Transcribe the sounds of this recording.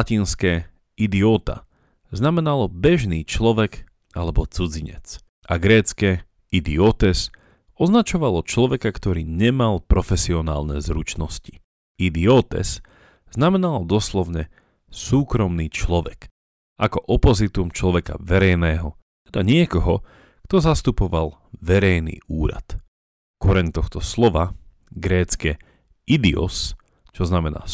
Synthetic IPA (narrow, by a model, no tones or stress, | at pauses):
lacinskɛː | id̪iɔːt̪a̰ | znamɛnalɔbɛʒniːt͡ʃlɔʋɛɡ | alɛbɔt͡sud͡ziɲɛ̰t͡s | ʔaɡɾɛːt͡skɛː | ʔid̪iɔt̪ɛs | ɔznat͡ʃɔʋalɔt͡ʃlɔʋɛkakt̪ɔɾiːɲɛmalpɾɔfɛsiɔna̰ːlnɛ̰zɾut͡ʃnɔsci̥ | id̪iɔːt̪ɛ̰s | z̥namɛnald̪ɔslɔʊɲɛ | suːkɾɔmniːt͡ʃlɔʋɛk | akɔʔɔpɔzit̪umt͡ʃlɔʋɛka̰ʋɛɾɛjnɛːɦɔ | t̪ɛd̪aɲɪɛkɔɦɔ | kt̪ɔzast̪upɔʋal | ʋɛɾɛjnḭːʔuːɾa̰t̪ | kɔɾɛɲt̪ɔxt̪ɔslɔʋa | ɡɾɛːt͡skɛ | id̪iɔ̰s | t͡ʃɔznamɛna̰ː